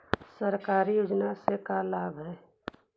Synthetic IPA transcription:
səɾkaːɾijoːd͡ʒnasekalaːbʱɦɛː

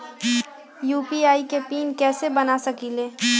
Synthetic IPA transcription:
juːpiaːikepiːnkɛːsebɐnasɐkileː

